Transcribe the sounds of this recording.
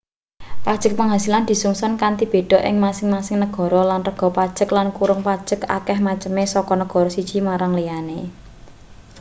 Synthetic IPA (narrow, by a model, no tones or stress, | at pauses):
pad̥ʒ̥ə̤k̚pəŋɦasiland̪̥i̤suŋsɔnkant̪ib̥e̤ɖ̥ɔ̤ʔɪ̰ŋmasɪŋmasɪŋnəɡ̥ɔ̤ɾɔlanrəɡ̥ɔ̤pad̥ʒ̥ə̤klankuɾʊŋpad̥ʒ̥ə̤ka̰kɛhmat͡ʃəmesɔkɔnəɡ̥ɔ̤ɾɔsid̥ʒ̥i̤maɾaŋlijane